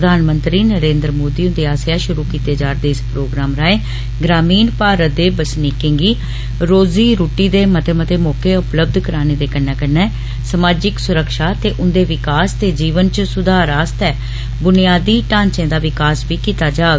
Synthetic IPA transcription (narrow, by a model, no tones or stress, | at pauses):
əd̪ʱaːnmənt̪ɾiːnəɾẽːnd̪ɾmoːd̪iːʊnd̪eːaːsɪjaːʃʊɾuːkiːt̪eːd͡ʒaːɾd̪eːɪspɾoːɡɾaːmɾaːeː | ɡɾaːmiːnpaːɾəd̪eːbəsniːkɪ̃ŋɡiː | ɾoːziːɾuːʈiːd̪eːmət̪eːmət̪eːmɔːkeːʊpləb̚d̪ʱkəɾaːneːd̪eːkənːɛːkənːɛː | səmaːd͡ʒɪksʊɾəkʃaːt̪eːʔʊnd̪eːʋɪkaːst̪eːd͡ʒiːʋənt͡ʃsʊd̪ʱaːɾaːst̪ɛː | bʊnɪjaːd̪iːʈãːɲt͡ʃẽːd̪aːʋɪkaːsʋiːkiːt̪aːd͡ʒaː